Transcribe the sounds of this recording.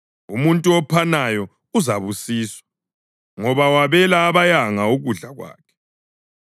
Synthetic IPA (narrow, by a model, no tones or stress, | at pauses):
umuntʼuɔpʰanajɔ | uzaβusiːswḁ | ŋɔβawaβɛlaːβajaŋaoɣuɮaɣwa̰ːkʰɛ̥